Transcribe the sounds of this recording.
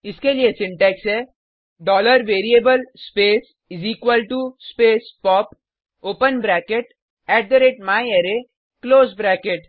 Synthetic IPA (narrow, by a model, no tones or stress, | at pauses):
ɪskeliesɪ̃ɳʈɛːksɛː | ɖɔːləɾʋeːɾieːbəlspeːs | ɪziːkwəlʈuspeːspɔːp | oːpənbɾɛːkeʈ | ɛːʈ̚d̪əɾeːʈmaːieːɾe | kloːzbɾɛːkeʈ